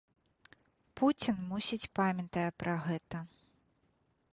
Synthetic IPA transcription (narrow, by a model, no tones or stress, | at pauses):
put͡sʲinmusʲit͡sʲpamʲɐt̪ɐjɛpɾɐɣɛt̪ɐ